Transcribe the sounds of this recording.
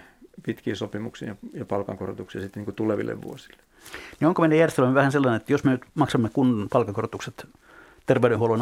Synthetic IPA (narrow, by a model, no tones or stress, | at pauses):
pit̪kiːsopimuksḭjɑjɑpɑlkɑ̰ŋkoro̰t̪uksiɑsit̪ːniŋkut̪uleʋḭlːḛʋʋṵosi̥lːe̥ | nioŋkomeidæjærest̪elømːeʋæhænselːɑnenet̪ːæjosmenyt̪mɑksɑmːekunːɑnpɑlkɑŋkorot̪ukset̪ | t̪erʋeyɾenhuolon